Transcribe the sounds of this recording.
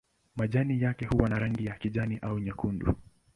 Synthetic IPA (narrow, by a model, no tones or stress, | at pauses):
maʄanijakɛhuwanaɾaŋɡijakiʄaniʔauɲakundṵ